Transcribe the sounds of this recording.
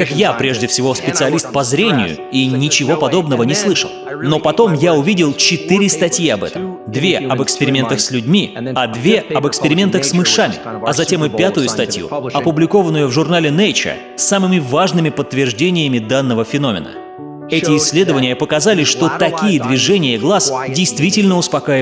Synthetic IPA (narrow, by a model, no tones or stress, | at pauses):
kakjapɾʲe̞ʐdʲɪfsʲɪvo̞spʲɪt̪sɨɐlʲist̪̚pɐzɾʲenʲɪ̰jʊ̰inʲɪt͡ɕɪvo̞pɐd̪o̞bnəvənʲɪslˠɨʂə̰lˠno̞pɐt̪o̞mjaʊvʲidʲɪlˠt͡ɕɪt̪ɨɾʲɪst̪ɐtʲjiɐbɛ̰t̪əmd̪vʲe̞ɐbɨkspʲɪɾʲɪmʲe̞nt̪əxsʲlʲʉdʲmʲiɐd̪vʲe̞ɐbɨkspʲɪɾʲɪmʲe̞nt̪əxsmɨʂamʲɪ̰ɐzɐtʲe̞mɨpʲat̪ʊjʊst̪ɐtʲjṵɐpʊblʲɪko̞vənːʊjʊvʐʊrnalʲɪnejt͡ɕə̰ | sːamɨmʲɪvaʐnɨmʲɪpət̪ːvʲɪrʐdʲenʲɪjəmʲɪd̪anːəvəfʲɪno̞mʲɪ̰nə̰ | ɛtʲɪːsʲːlʲe̞d̪əvənʲɪjəpəkɐzalʲɪʂt̪o̞t̪ɐkʲijəd̪vʲɪʐɛnʲɪjəɡlˠasdʲɪjst̪vʲitʲɪlʲnəʊspɐkajɪ